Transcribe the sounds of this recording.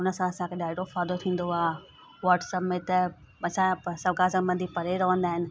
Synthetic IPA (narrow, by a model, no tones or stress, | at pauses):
ʊnəsãɐsãkʰeɗaːɪɖofaːd̪ot̪ʰĩːn̆d̪oaː | ʋaːʈsɐpmet̪ɐ | ɐsãsɐbɡaːzə̃bɐ̃nd̪ʱipɐɾeɾɐʋə̃nd̪aːɦɪnɪ̆